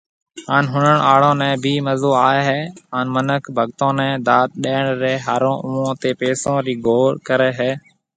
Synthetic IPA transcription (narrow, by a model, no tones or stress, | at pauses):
ɦaːnɦʊnəɳaːɽõːnɛ̃ːbʱiːməzoːaːeːɦɛːaːnmənəkʰbʱəɠt̪õːnɛ̃ːd̪aːt̪̚ɗeːɳɾɛːɦaːɾõːʔʊːõːt̪eːpeːsõːɾiːɡʱoːɾkəɾɛːɦɛː